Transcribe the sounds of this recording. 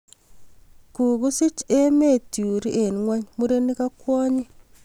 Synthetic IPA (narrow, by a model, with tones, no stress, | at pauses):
ku˨ku˦sɪ˦t͡ʃe˦me˦˨tju˨ɾi˦ʔe˨nŋwa˦ɲmu˦ɾe˦ni˦ka˦kwɔ˦ɲi˦